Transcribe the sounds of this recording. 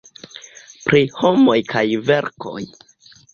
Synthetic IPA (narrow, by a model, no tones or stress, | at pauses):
pɾiho̞mo̞jkʰajve̞ɾko̞̰j